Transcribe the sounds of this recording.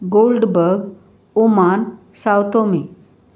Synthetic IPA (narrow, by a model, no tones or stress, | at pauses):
ɡolɖbəɾɡ | uman | sawt̪omi